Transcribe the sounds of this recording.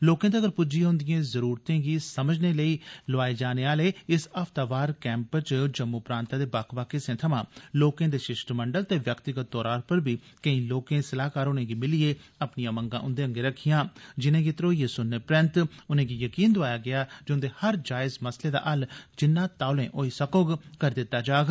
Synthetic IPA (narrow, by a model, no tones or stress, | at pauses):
loːkãːd̪eəɡəɾpʊd͡ʒijãɦʊ̃nd̪ɪjẽːzəɾuːɾt̪ẽːɡiːsəməd͡ʒneːləiːlʊaːed͡ʒaːneːaːleːɪsəft̪aːʋaːɾkɛ̃ːmpt͡ʃd͡ʒəmːuːpɾãːnt̪ãːd̪eːbaːkʰʋaːkɪsẽːt̪ʰəmãːloːkẽːd̪eːʃɪʃʈməɳɖəlt̪eːʋjəkt̪ɪɡət̪̚d̪ɔːɾaːɾpəɾbiːkəĩːloːkẽːsəlaːkaːɾʊnẽːɡiːmɪlieːəpnijãːməŋɡã̰ːʔʊnd̪eːə̃ŋɡeːɾəkʰːijãːd͡ʒɪnẽːɡiːt̪ɾoːijeːsʊnːəpɾɪ̃nt̪ʊnẽːɡiːjəkiːnd̪ʊaːjaːɡɪaːd͡ʒʊ̃nd̪eːhəɾd͡ʒaːɪzməsleːd̪a̰ːʔəld͡ʒɪnːãːt̪aːlẽːʔoːiːsəkoːɡkəɾd̪ɪt̪ːaːd͡ʒaːɡ